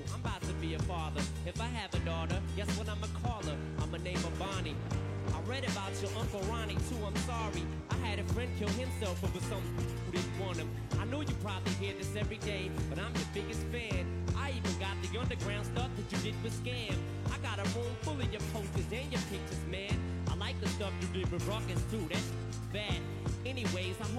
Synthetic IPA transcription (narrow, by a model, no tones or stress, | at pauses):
ãɪ̃mbaʊtʰɨbiɨfɑðə˞ | ɨfaɪɨvɨdɔɾə˞d͡ʒɛswə̃nãɪ̃məkʰɔlˠə˞ | ãɪ̃mɨnẽɪ̃mʌvbɑni | aɪɹɛɾɨbaʊt͡ʃə˞ʔʌ̃ŋkl̩ˠɹɑnitʰuãɪ̃msɑɹi | ʔaɪɨɾɨfɹɛ̃n̚kʰɪlˠhɨ̃msɛlˠfowɨ̥sʌ̃m̃huɾɪdⁿn̩ʔwʌ̃nɨ̃m | aɪnoʊjɨpʰɹ̥ɑbəbliɦiɹðɪsɛvɹideɪb̥ʌɾãɪ̃mðɨbɪɡɨstfæ̃n | ʔaɪivɨ̃nɡɑt̪̚ðiʌ̃ndə˞ɡɹãʊ̃nd̥stʌf̚ðɨt͡ʃɨdɪd̚ⁿfəskæ̃m | aɪɡɑɾəɹõʊ̃nfʊlˠɨ̃njə̥˞pʰoʊstɨzɨ̃njə˞pʰɪ̃k̚t͡ʃəzmæ̃n | aɪlaɪk̚ðɨstʌfjɨdɪd̚wɨɹɔkɨ̃nfɹuɾɨt | ðɨɾ̚ | ɛniweɪzãɪ